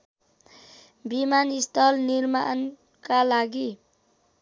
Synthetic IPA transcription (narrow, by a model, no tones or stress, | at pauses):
bimanist̪ʰʌlniɾma̰n | kalaɡi